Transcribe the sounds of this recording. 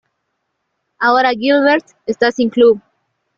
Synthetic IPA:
aoɾaɡilβeɾt̪ | est̪asĩŋklub

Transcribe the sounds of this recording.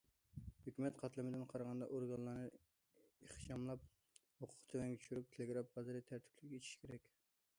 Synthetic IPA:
høkʲymɛt̪qʰɑt̪lˠɨmɪd̪ɪnqʰɑɾɑʁɑnd̪ɑ̰ʔoɾɡɑnlˠːɑnɨ | eχʃɑmlˠɑp̚ | hoqʰʊ̥qt̪ʰewɛŋʲt͡ʃʰy̥ʃyɾyp̚t̪ʰelɪɡɾɑp̚bɑzɨɾɨt̪ʰæɾt̪ʰɪ̥pʰlɪkʲet͡ʃ̪ʰi̥ʃkʲʰeɾɛkʲ

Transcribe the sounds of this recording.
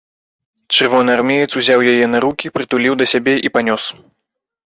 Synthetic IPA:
t͡ʂɨrvɔnɨarmʲɛjɨt̪suzʲawjajɛnɐɾukʲipɾɨt̪ulʲiwd̪ɐsʲabʲɛʔipanʲɔs

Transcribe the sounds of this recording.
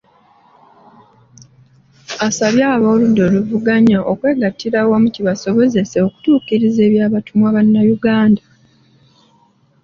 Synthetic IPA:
asaβjaːβo̞ːludːo̞luvuɡaɲaʔo̞kwe̞ːɡatːiɾawamuciβaso̞βo̞ze̞se̞oku̥tuːkiɾize̞ːβjaːβatumwaβanːajuɡaːnda

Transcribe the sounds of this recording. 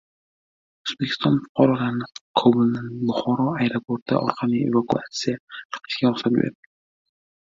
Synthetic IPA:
ozbekʰʲɪ̥st̪ɒnfʊ̥qʰɑɾɒlaɾnɪkʰɒbʊlˠnanbʊχɒɾɒajɾopʰoɾt̪ːa̰ʔɒ̰ɾqʰɑmiḛvakuat̪sijaq̪ʰɑ̥qʰɪ̥ʃɡʲaɾʊχsanbḛɾ

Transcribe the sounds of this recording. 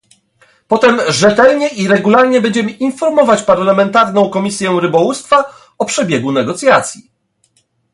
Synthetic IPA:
pɔt̪ɛmʐɛt̪ɛlɲɛʔiɾɛɡulaɾɲɛbɛɲd͡ʑɛmɘʔinfɔɾmɔvat͡ɕpaɾlamɛnt̪aɾnɔ̃w̃kɔmʲisʲjɛɾɘbɔwust̪fa | ɔpʂɛbʲjɛɡunɛɡɔt̪sʲjat̪sʲji

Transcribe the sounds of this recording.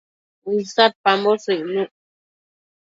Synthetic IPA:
isat̪̚pambosɨʔnũʔ

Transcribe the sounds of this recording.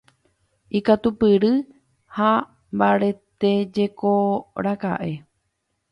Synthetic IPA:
ikat̪upɨɾɨ | ha | mbaɾe̞t̪ed͡ʒe̞koɾaka̰ʔe̞

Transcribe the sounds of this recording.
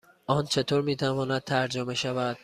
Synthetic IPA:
ʔɒːnt͡ʃʰe̞t̪ʰoːɾmiːt̪ʰævɒːnæd̪̚t̪ʰæɾd͡ʒome̞ʃævæd̪̥

